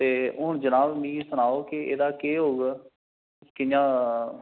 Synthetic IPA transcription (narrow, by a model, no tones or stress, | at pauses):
t̪eːʊʊɳd͡ʒənaːbmĩːsʊñaːoːkeḛːd̪aːkeːɦoːɡ | kɪjãː